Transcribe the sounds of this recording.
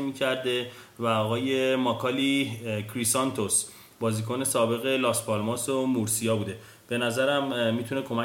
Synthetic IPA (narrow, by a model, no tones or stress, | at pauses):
miːcʰæɾd̪e̞væɒːɣɒːje̞mɒkʰɒlikʰɾisɒnt̪ʰos | bɒːziːkʰone̞sɒːbe̞ɣe̞lɒːspʰɒlmɑsomuɾsijɒːbuːd̪e̞ | b̥e̞næzæɾæmːiːt̪ʰunekʰo̞mæ